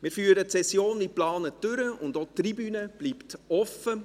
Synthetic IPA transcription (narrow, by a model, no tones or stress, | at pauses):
mɪːɾfyːəɾətsɛsjoːniplɑːnətʏɾəʊndot̪ribyːnəb̥liːpt̪ɔfə